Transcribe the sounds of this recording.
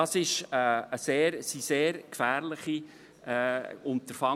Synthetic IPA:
ɑsɪʃəəseːɾsiseːɾkfæːɾlɪχi | ɛːʊnt̪əɾfɑ

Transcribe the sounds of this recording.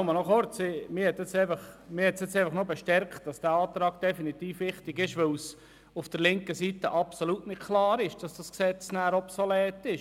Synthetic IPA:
mənɔχoɾt͡simɪhɛtːɪt͡sɛɪfɑχmɪhɛtsɪt͡sɛɪfɑχnobeʃtɛɾkχt̚d̥ɑsd̥æːɑːtɾɑːɡ̥̚d̥ɛfinitiːfʋɪχtɪɡɪʃʋɵws | ufd̥əɾlɪŋkəsitəʔɑpsolutnɪtkʰlɑːɾɪʃd̥ɑsd̥ɑsksɛt͡snæːɾɔpsolɛːtːɪʃ

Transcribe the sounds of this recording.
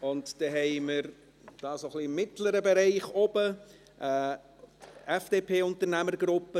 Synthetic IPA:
ʊntd̥ɛɦɛɪməɾ | d̥ɑːsoχliɪmːɪtləɾəbeɾɛɪχɔbə | ʔɛː | ɛfd̥eːpʰeːʊntəɾnæməɾɡɾʊpːə

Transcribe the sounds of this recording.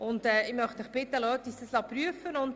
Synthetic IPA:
ʔʊndɛːɪmœχtməχb̥ɪt̪ːəlœːtisdəslɑpɾyəfənʊnd

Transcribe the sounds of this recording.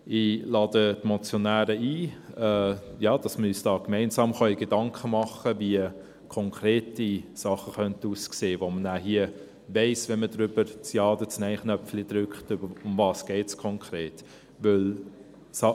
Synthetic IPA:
ɪlɑːdətmɔt͡sjonæːɾəiː | ɛːjɑːd̥ɑsməyːsd̥ɑːkmɛɪnsɑːmχœʏɡ̥edɑŋkχəmɑχəviə | kʰɔŋkʰɾeːtisɑχəχœntuːskseːʋomənæːɦiə | vɛɪsʋɛnmədɾʏb̥əɾt͡sjɑːdət͡snɛɪχnœpflid̥̪ɾʏkχtʏbəʊmvɑːsɡ̥ɛɪtskʰɔŋkʰɾeːt | ʋʏl | sɑ

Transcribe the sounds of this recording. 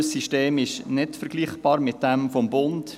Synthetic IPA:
siʃteːmɪʃnɪdfəɾɡliːχb̥ɑːɾmɪt̚d̥ɛmfɔmbʊnd

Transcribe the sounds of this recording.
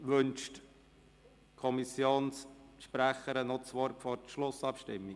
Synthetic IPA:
ʋɵnʃt | kʰɔmisjoːnsʃpɾæχəɾənɔt͡sʋɔɾtfɔɾtʃlʊsɑpʃtɪmːi

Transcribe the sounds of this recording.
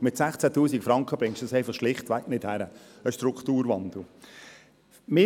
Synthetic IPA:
mɪt̪sæχt͡sætuːsikfɾɑŋkχəbɾɪŋʃtd̥ʊsɛɪfɑχʃlɪχtʋæknɪthæɾəəʃtɾʊkt̪uːɾʋɑnd̪l̩ | mɪ

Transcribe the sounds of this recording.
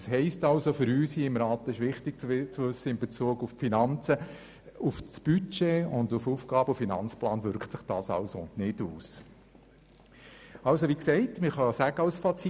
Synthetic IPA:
shɦɛɪstɑlsofʏɾyːshiːɪmɾɑːt̪ɪʃʋɪχtɪk̚t͡st͡sʋʏsːəɪmbet͡suːəɡuffinɑnt͡sə | ʊfsb̥yt͡ʃeːʊndʊfuːfɡ̥ɑːbəʊfinɑnt͡splɑːnvʏɾkχtsɪχd̥ɑ̰ːsɑ̰lsonɪd̥uːs | ɑlsoʋiksɛɪtməχɑsæɡ̥əɑlsfɑt͡si

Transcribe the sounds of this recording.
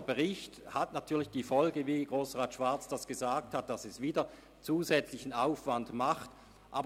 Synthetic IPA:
bəʁɪçthatnatʰyːɐlɪçd̥iːfɔlɡəviːɡʁoːsʁaːtʃv̥aɐt͡sd̥asɡ̥əzaːk̚that̚d̥asɛsv̥iːdɐ | t͡suːzɛt͡slɪçn̩aʊfv̥andmaχt | ʔaːb

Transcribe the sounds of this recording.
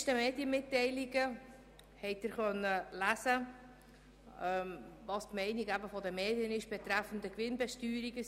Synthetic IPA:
ʃtəmeːdjəmɪtːɛɪliɡə | hɛɪt̚d̥ɪɾχœnːəlæsə | ɛmvɑstmɛɪniɡæbəfɔdəmeːdjənɪʃb̥ɛt̪ɾæfən̩d̪əkʋɪnbɛʃtyːɾiɡə

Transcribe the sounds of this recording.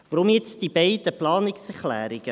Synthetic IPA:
vəɾɔmjɛt͡sd̥ibɛɪdəplɑːnɪksɛχlæ̰ːɾiɡə

